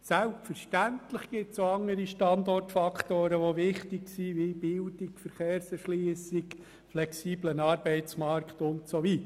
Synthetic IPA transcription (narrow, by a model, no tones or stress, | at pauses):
sælpfəɾʃtæntləχɡ̥ɪt̪soɑŋːəɾiʃtɑndɔrtfɑkt̪oːɾəʋoʋɪχtɪɡsiʋibɪldɪkfəɾχeːɾsɛɾʃliəsɪɡ | flɛksiːblənɑːɾbɛɪtt͡smɑɾktʊntsovit